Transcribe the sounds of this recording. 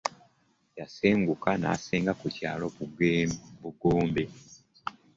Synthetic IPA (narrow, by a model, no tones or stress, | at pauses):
jaseːŋɡukana̰ːseːŋɡakuca̰ːlo̞βuɡbuɡoːmbe